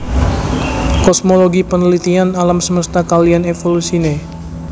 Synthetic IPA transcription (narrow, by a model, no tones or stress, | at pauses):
kɔsmoloɡipənəlit̪ianalamsəməst̪akalianefolusine